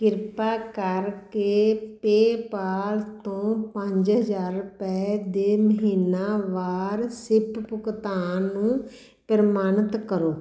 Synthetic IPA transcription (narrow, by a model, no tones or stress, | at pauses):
kɪɾpaːkəɾkeːpeːpaːlt̪õːpə̃ɲd͡ʒɦəzaːɾpɛːd̪eːməɦiːnaːʋaːɾsɪppʊkt̪aːnũː | pəɾmaːnət̪kəɾoː